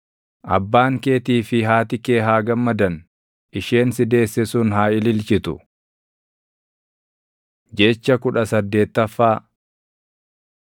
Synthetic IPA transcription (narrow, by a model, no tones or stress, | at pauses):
ʔɐ̰bːaːŋke̞ːt̪iːfɪɦaːt̪ɪke̞ːɦaːɡɐmːɐd̪ɐn | ʔɪʃe̞ːnsɪd̪e̞ːsːɛsʊnɦaːɪlɪlt͡ʃɪt̪ʊ | d͡ʒet͡ʃːɐkʊᶑɐsɐd̪ːe̞ːt̪ːɐfːaː